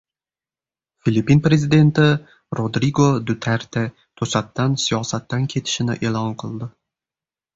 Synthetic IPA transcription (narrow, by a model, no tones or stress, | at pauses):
filipːinpɾe̞zid̪e̞nt̪ɪ | ɾod̪ɾiɡod̪ʊt̪ʰaɾt̪ʰe | t̪ʰɵsat̪ːansijɒsat̪ːankʲʰe̞t̪ʰɪ̥ʃɪnɪ̰ʔe̞lˠɒnqʰɨlˠd̪ɪ